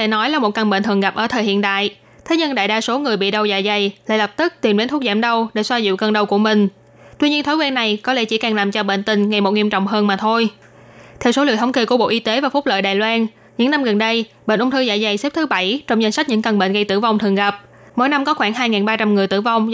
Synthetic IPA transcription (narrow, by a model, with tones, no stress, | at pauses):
e˧˩nɔ˨˦jlaː˨˩mo˨˩t̚kə˨˩nɓḛ˧˨nt̪ʰɨ˨˩əŋɣa˨˩p̚ʔəː˧˩t̪ʰəː˨˩hḭ˧˨ənt̪a̰ː˧˨jʔ | t̪ʰe˨˦ɲə˧ŋɗa̰ː˧˨jɗaː˧so˨˦ŋɨ˨˩əjɓḭ˧˨ɗə˨˧˩wza̰ː˧˨jza˨˩jla̰˧˨jlə˨˩p̚t̪ɨ˦˥k̚t̪i˨˩nɗe˨˦nt̪ʰu˦˥k̚zaː˧˩mɗə˧wɗḛ˧˩swaː˧zḭ˧˨wkəː˧˩nɗə˧˩wku˧˩əmï˨˩ŋ̟ | t̪wi˧ɲi˧ənt̪ʰo˨˦kwɛ˧nːa˨˩jkɔ˨˦lḛ˧˥t͡ɕḭ˧˩˦kaː˨˩ŋlaː˨˩mt͡ɕɔ˧ɓḛ˧˨nt̪ï˨˩ŋ̟ŋa˨˩jmo˨˩t̚ŋi˧əmt͡ɕɔ̰˧˨wŋ͡mɦəː˧nmaː˨˩t̪ʰo˧j | t̪ʰɛ˧wso˨˦lḭ˧˨ət̪ʰə˨˦ŋ͡mke˧jku˧˩əɓo̰˧˨ʔi˧t̪e˨˦vaː˨˩fʊ˦˥k͡p̚lə̰ː˧˨jɗaː˨jlwaː˧n | ɲɨ̰˧˥ŋna˧mɣə˨˩nɗə˧jɓḛ˧˨nʔʊ˧ŋ͡mt̪ʰɨ˧za̰ː˧˨jza˨˩jse˦˥p̚t̪ʰɨ˨˦ɓa˧˩jt͡ɕɔ˧wŋ͡mza˧n̟sa˦˥k̚ɲɨ̰˧˥ŋkə˨˩nɓḛ˧˨nɣə˧jt̪ɨ̰˧˩va˨˩wŋ͡mt̪ʰɨ˨˩ŋɣa˨˩p̚ | mo̰˧˥jna˧mkɔ˨˦xwaː˧˩ŋɦaː˧jŋaː˨˩nɓaː˧t͡ɕa˧mŋɨ˨˩əjt̪ɨ̰˧˩va˨˧wŋ͡m